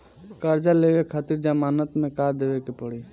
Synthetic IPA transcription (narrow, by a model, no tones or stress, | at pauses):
kəɾd͡ʒaleːʋekʰaːt̪iɾd͡ʒamaːnət̪mẽkaɾd̪eːʋekepəɽi